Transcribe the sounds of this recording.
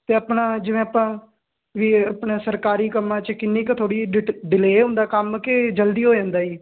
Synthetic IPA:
t̪eːəpnaːd͡ʒɪʋẽːəpãː | ʋiːəpɳeːsəɾkaːɾiːkəmːãːt͡ʃəkɪnːiːkt̪ʰoːɽiːɖɪleːʊ̃nd̪aːkəmked͡ʒəld̪iːɦoːd͡ʒãːnd̪aːiː

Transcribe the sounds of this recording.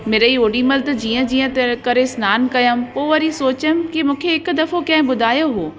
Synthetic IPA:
meːɾəioːɽiməlt̪ɐd͡ʑiːə̃d͡ʑiːə̃t̪kɐɾesnaːnkɐjəmpoːʋɐɾisoːt͡ɕənkimũːkʰeɪkʊd̪ɐfokɐ̃ɦɪ̃ɓʊd̪ʱaːjoɦoː

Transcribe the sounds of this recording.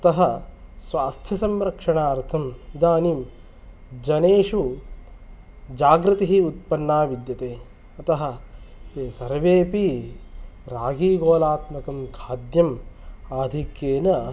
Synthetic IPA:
ɐt̪ɐɦɐ̆sʋaːst̪ʰjɐsɐmɾɐkʂɐɳaːɐɾt̪ʰɐmid̪aːniːm | d͡ʒɐneːʂu | d͡ʒaːɡɾɐt̪ɐɦiut̪̚pɐnːaːʋid̪jɐt̪eː | ɐt̪ɐɦɐ̆t̪eːsɐɾʋeːpi | ɾaːɡiːɡoːlaːt̪mɐkɐmkʰaːd̪jɐmaːd̪ʱikjeːnɐ

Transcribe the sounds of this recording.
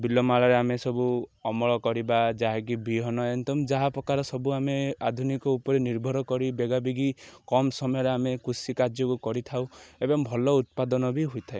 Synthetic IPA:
bilɔmaɭaɾeamesɔbuɔmɔɭɔkɔɾibad͡ʒaɦaɡibʱiɦɔnɔent̪ɔmd͡ʒaɦapɾɔkaɾɔsɔbuamead̪ʱunikɔupɔɾiniɾbʱɔɾɔkɔɾibeɡabiɡikɔmsɔmɔjɔɾeamekusikaɾd͡ʒjɔkukɔɾit̪ʰawebɔmbʱɔlɔut̪̚pad̪ɔnɔbʱiɦojt̪ʰae

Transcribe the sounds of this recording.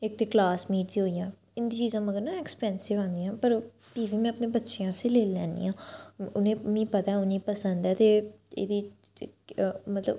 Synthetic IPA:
ɪkt̪eːklaːsmiːʈ̚d̪ĩːɦoːiːjãː | ɪnd̪iːt͡ʃiːzãːməɡəɾnãːɛkspɛ̃ːnsɪʋãːnd̪ijãːpəɾ | ʈiːbʱiːmɛ̃ːəpnẽːbətːʃejãːseːleːlːɛ̰̃ːnd̪ḭjãːʊnẽːmĩːpət̪aɛʊnĩːpəsənd̪ɛːt̪eː | ḛːd̪iː | mət̪lə̰b

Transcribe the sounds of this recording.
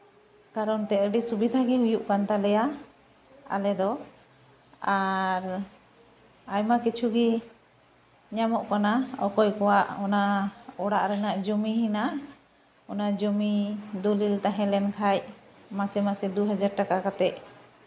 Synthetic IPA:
kaɾɔnt̪ɛəɖisubid̪ʱaɡiɦujuʔkant̪alɛja | a̰lɛd̪ɔ | aɾ | ajmakit͡ʃʰuɡi | ɲamɔʔkanaɔkɔjkɔwaʔɔnaɔɽaʔɾɛnaʔd͡ʒumiɦinaʔ | ɔnad͡ʒumid̪ulilt̪aɦɛ̃lɛnkʰajmasɛmasɛd̪uɦad͡ʒaɾʈakakat̪ɛʔ

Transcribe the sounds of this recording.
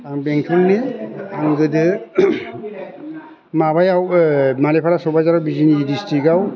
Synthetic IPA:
aŋbeŋtʰunniaŋɡɯdɯ | mabajawmalepʰaɾasɔbazaɾawbizinidistiɡaw

